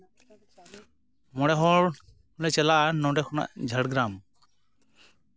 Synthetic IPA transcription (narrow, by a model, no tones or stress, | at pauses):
mɔɽɛɦɔɹ | hulɛt͡ʃɛlaʔanɔwʈɛkʰɔna̰ʔd͡ʒʱəɽɡɾam